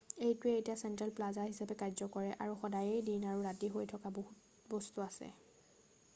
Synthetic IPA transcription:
ejtʊejtiasɛntɹalplazaɦisapɛkajzɔkɔɹɛʔa̰ɹuxɔdajejdinaɹuɹatiɦojtʰɔkaboɦut | bɔstuasɛ̰

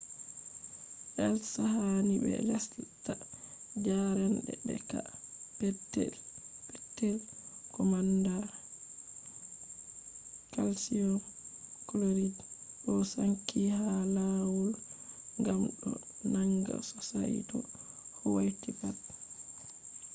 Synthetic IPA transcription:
ʔɛlsahanibɛ̰lasta | d͡ʒaɾanɗɛɗɛ̰kapɛtːɛ̰lpɛtːɛlkɔmanda | kalsiɔnkloɾid | ɗɔsaŋkʰːihalawulŋɡamɗɔ | naŋɡa̰sɔsa̰jtɔ | hɔwajtipat

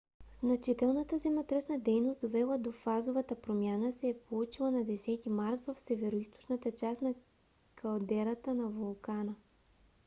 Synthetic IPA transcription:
z̥nɐt͡ʃit̪ɛlˠnət̪əzɛmɛt̪ɾɛsnəd̪ɛjnosd̪ovɛlˠəd̪ofazovət̪əpɾomʲjanəsɛːpolˠut͡ʃilˠənɐd̪ɛsɛt̪imaɾt̪vɐfsɛvɛɾoist̪o̥t͡ʃnət̪ət͡ʃasnɐ | kʰɐlˠd̪ɛɾət̪ənɐvolˠkanə

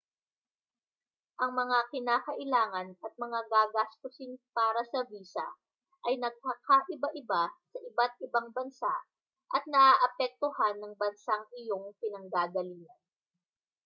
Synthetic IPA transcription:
ʔɐŋmɐŋakɪnaːkɐʔɪlaːŋɐnɐt̪̚mɐŋaɡaːɡast̪osɪnpaːɾɐsɐbiːsɐ̰ | ʔɐjnɐɡ̚kaːkaʔɪbaʔɪbasɐʔɪbat̪̚ɪbaŋbɐnsaʔ | ʔɐt̪̚nɐʔaːʔɐpɛk̚t̪ohanːɐŋbɐnsaŋɪjo̞ŋpɪnɐŋɡaːɡɐliːŋɐn

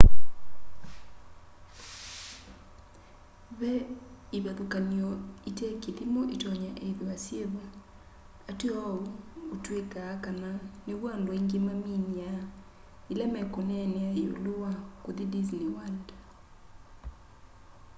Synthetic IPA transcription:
βɛiβaðokaniɔitɛkeðimɔʔetɔɲaʔɛiðoasjeβa | ateɔuːtwekaːkananeβwaːndwɔiŋɡemamiɲia | ilɛmɛkonɛneaeo̰lowakoðidizniwandḁ

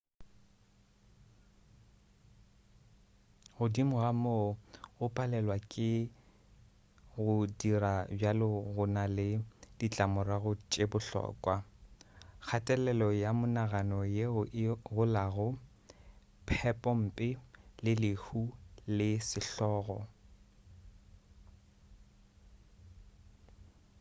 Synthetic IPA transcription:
ɣʊdimʊɣamoɣʊpʼalɛlwakʼɪ | ɣʊdirabjalɪɣʊnalɪdit͡ɬʼamʊraɣʊt͡ʃʼebʊɬɔ̰ːkʼwa | k͡xʰatʼɛlɛlɔjamʊnaɣanɔjeʊɣʊlaɣʊ | pʰɛpʼɔm̩ːpʼɪlɪlɪhulɪsɪɬɔːɣɔ

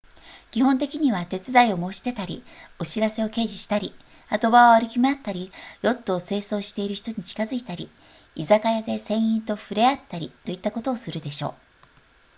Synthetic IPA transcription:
kʲiɦõ̞nt̪e̞kʲiɲ̟iβat̪e̞t͡sɨdaio̞mo̞ːɕi̥t̪e̞t̪aɾʲḭo̞ɕiɾase̞o̞ke̞ːʑiɕi̥t̪aɾʲi | at̪o̞baoaɾɯ̟kʲimeat̪ːaɾʲijo̞t̪ːo̞se̞ːso̞ːɕi̥t̪e̞iɾɯ̟çi̥t̪o̞ɲ̟it͡ɕi̥kazɨit̪aɾʲi | izakajad̪e̞sẽ̞ɰ̃ĩnt̪o̞ɸɯ̟ɾe̞at̪ːaɾʲit̪o̞it̪ːako̞t̪o̞ːsɨɾɯ̟d̪e̞ɕo̞̰ː

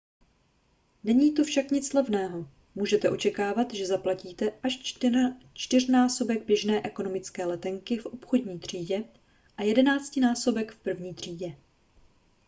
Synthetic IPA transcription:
nɛɲiːt̪ofʃakɲɪt͡slɛvnɛːɦo̞ | muːʒɛt̪ɛʔo̞t͡ʃɛkaːvat̪ʒɛzaplaciːt̪ɛʔaʃ | t͡ʃt̪ɪr̝naːso̞bɛɡ̚bjɛʒnɛːʔɛko̞no̞mɪt͡skɛːlɛt̪ɛŋkɪfʔo̞pxo̞dɲiːt̪r̝̥iːɟɛ | ʔajɛdɛnaːt͡scɪnaːso̞bɛkfpr̩vɲiːt̪r̝̥iːɟɛ

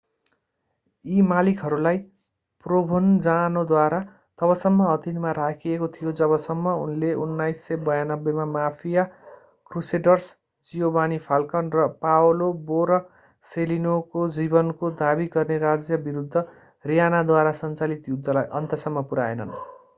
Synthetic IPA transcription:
imalikɦʌɾulaj | probʱond͡zanod̪waɾa | t̪ʌbʌsʌmːʌɦʌt̪inmaɾakʰiekot̪ʰijod͡zʌβʌsʌmːʌunleunːajsːʌbʌjanʌbːemamapʰija | kruseɖʌrs | d͡zijobanipʰalkʌnrʌpawoloboɾʌ | selinokod͡zibʌnkod̪abiɡʌrneɾad͡zjʌbiɾud̪ʱːʌ | rijanad̪waɾasʌnt͡salit̪jud̪ʱːʌlajʔʌ̰nt̪ʌsʌmːʌpuɾaḛnʌ̰n

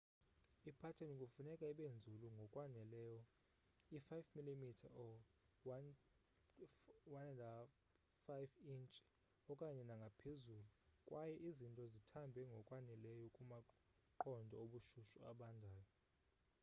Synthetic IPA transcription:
ipʰatʰɛnukʼufunɛkʼaiɓend͡zʱuluŋɡʱɔkʼwanɛlɛːjɔ | ifajfmilimitʰa̰ʔɔ | w | wanɛda | fajfint͡ʃʼ | ɔkʼaɲɛnaŋɡʱapʰezuːlukʼwajɛʔizintʼɔzitʰambʱɛŋɡʱɔkʼwanɛlɛjɔkʼuma | ǃɔndʱɔoɓuʃuʃua̰ɓandʱaːjɔ

